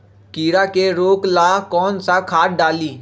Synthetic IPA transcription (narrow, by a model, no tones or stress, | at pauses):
kiːɾaːkeɾoːklaːkɔːnsakʰaːʈ̚ɖaːliː